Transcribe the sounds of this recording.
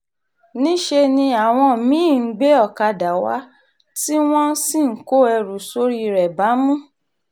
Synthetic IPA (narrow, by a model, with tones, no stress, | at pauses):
nĩ˦ʃe˧nĩ˧a˨w̃ɔ̃˧˨mĩ˨˦˨ɡ͡be˦ɔ˦˨ka˧da˨wa̰˨˦ | ti˦w̃ɔ̃˦si˦˨ŋ̩˦ko˦ɛ˧ɾu˨so˦ɾi˦˧ɾɛ˨ba˨˦mũ˦